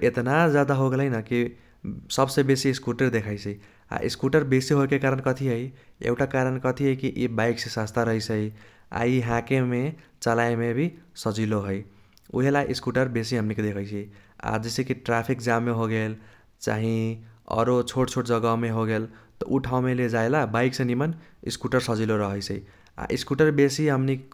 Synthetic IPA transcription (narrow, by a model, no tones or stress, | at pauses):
et̪nad͡ʒad̪aɦoɡeləjnəki | səbsebesiːskuʈeɾd̪ekʰaɪt͡ʃʰəi | a̰ʔḭskuʈəɾbesiɦokekaɾənkʌt̪ʰiɦəjḛuʈakaɾənkət̪ʰiɦəjkiʔibaɪksesast̪ʰaɾəɦət͡ʃʰəi | a̰iɦãkemet͡ʃalaemebʱisəd͡ʒiloɦəj | ṵɦelajʔiskuʈəɾbesiɦəmnikd̪ekʰəɪt͡ʃʰia̰d͡ʒesekiʈɾapʰik̚d͡ʒameɦoɡel | t͡ʃa̰ɦĩʌ̰ɾot͡ʃʰoʈt͡ʃʰoʈd͡ʒʌɡameɦoɡelt̪ɔʔuʈʰawmeled͡ʒaelabaɪksẽnimən | ḭskuʈəɾsʌd͡ʒiloɾəɦəjsʰəi | a̰ʔiskuʈəɾbesiɦəmnik